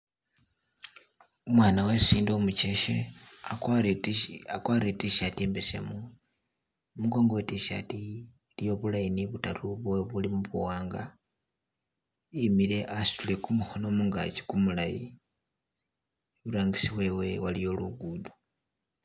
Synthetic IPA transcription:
umwaːnawesiːndomuceʃea | akwaɾetiʃatiembesḛmu | muɡo̞ːŋɡowetiʃa̰tiː | lijo̞βulajiniβutaɾuβweβulimuβuwaːŋɡa | imiɾe̞ʔasi̥tule̞kumuho̞no̞muŋɡa̰ci̥kumulaji | βuɾaːŋɡisiβwe̞wewalijo̞luɡudu̥

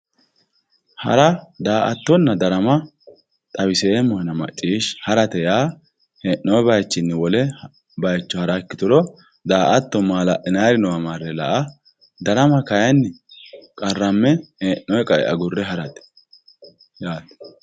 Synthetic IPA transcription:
hɐ̰ɾɐd̪aːʔɐ̰t̪ːɔnːɐd̪ɐɾɐmɐ | t̪ʼɐwɪsɛemːɔhɐnɐmɐ̰t͡ʃʼːiːʃhɐɾɐt̪ɛjaː | hɛnːɔjɛbɐjt͡ʃːɪnːɪwɔlɛ | bɐjt͡ʃːɔhɐɾɐɛkːɪt̪ʊɾɔ | d̪aːʔɐt̪ːɔmaːlɐʔɪnaːɾɪnɔwɐmaːrːɛlɐ̰ʔɐ | d̪ɐɾɐmɐkɐjɐnːɪkʼɐrːɐmːɛhenːɔjɛkʼɐʔɛ̰ʔɐ̰ɡʊrːɛɦɐɾɐt̪ɛ̥ | jaːt̪ɛ̥

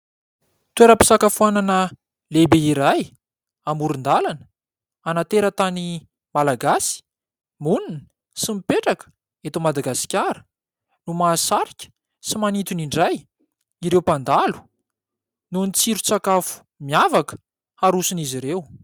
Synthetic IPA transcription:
t̪ueɾəpi̥sakafuananə | lebeiɾaj | amuɾund̪alanə̥ | anat̪eɾət̪ani | malaɡasi̥ | munini̥ | simipeʈ͡ʂakə̥ | et̪umad̪aɡasi̥kʲaɾə̥ | numaːsaɾikʲə̥ | simanit̪uniɳɖ͡ʐaj | iɾewpand̪alu̥ | nunit͡siɾut͡sakafu̥ | miavakə̥ | aɾusiniziɾew

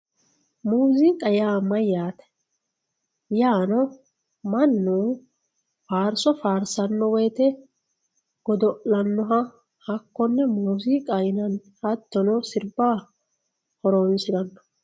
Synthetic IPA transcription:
muːzikʼɐjaːmɐjːaːt̪ɛ̥ | jaːnɔ | mɐnːuː | faːɾsɔfaːɾsɐnːɔwɛjt̪ɛ | ɡ̥ɔd̪ɔʔlɐnːɔɦɐ | hɐkːɔnːɛmuːzikʼɐjnɐn | hɐt̪ːɔnɔsɪɾbaː | hɔɾonsɪɾɐnːɔ̥

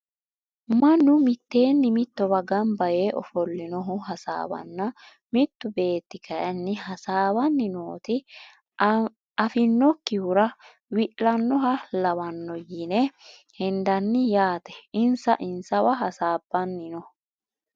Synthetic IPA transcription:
mɐnːʊmɪt̪ːe̞ːnːɪmɪt̪ːɔbɐɡɐnbɐjeːʔɔ̰fɔlːɪnɔɦʊɦɐsa̰ːwɐ̰nːɐ | mɪt̪ːʊbe̞ːt̪ːɪkʰɐjɐnːɪɦɐsaːwɐnːɪnoːt̪ɪ | ɐfɪnːɔkːɪhʊɾɐ | wɪʔlɐnːɔɦɐlɐwɐnːɔjɪnɛhɛnd̪ɐnːɪjaːt̪ɛ̥ɪnsɐʔɪnsɐwɐɦɐsaːbːɐnːɪnɔ

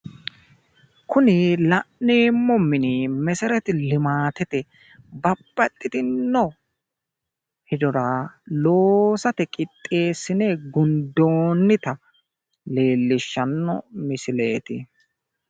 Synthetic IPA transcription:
kʊnɪlɐʔneːmːɔmːɪnimɛsɛɾɛt̪ɪlɪmaːt̪ɛt̪ɛ | bɐbːɐt̪ʼːɪt̪ɪnːɔ | hɪd̪ɔɾaloːsɐt̪ɛkʼɪt̪ʼːe̞ːsːɪneɡʊnd̪oːnːɪt̪ɐ | le̞ːlːɪʃːɐnːɔ̰mɪsɪle̞ːt̪ɪ

